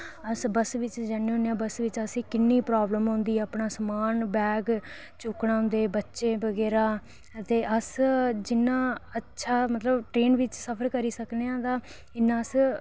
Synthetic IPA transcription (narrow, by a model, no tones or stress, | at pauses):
əsbəsʋɪt͡ʃd͡ʒəneːɦõneãːbəsʋɪt͡ʃəsĩːkɪnːiːpɾaːbləmɦõnd̪iːəpɳaːsəmaːnbɛːɡ | t͡ʃʊkɽaːɦʊ̃nd̪eːbətːʃeːbəɡɛːɾaː | t̪eːʔəsd͡ʒɪnːãːətːʃʰaːmət̪ləbʈɾeːnʋɪt͡ʃsəpʰəɾkəɾiːsəkneːãːd̪ãː | ɪnːãːs